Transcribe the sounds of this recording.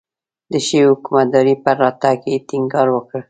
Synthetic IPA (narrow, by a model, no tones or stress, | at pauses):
d̪əʃewhʊkumat̪̚d̪ɑɾipəɾɑt̪aket̪ɪŋɡɑɾwəkəɽ